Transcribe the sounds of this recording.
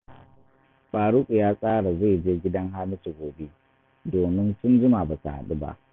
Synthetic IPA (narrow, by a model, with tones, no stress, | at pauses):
ɓaː˨ɽu˦kʼu˨jaː˦sʼaː˦ɽa˨za˦˨jd͡ʒeː˦ɡʲɪ˦dɐ˦ŋɦaː˦mɪ˦si˨ɡʷoː˨be˦ | doː˨mɪ˦nsʊ˦nd͡ʒʊ˦ma˨baː˨sa̰˨ha̰˦ɗu˦ba̰˦ʔ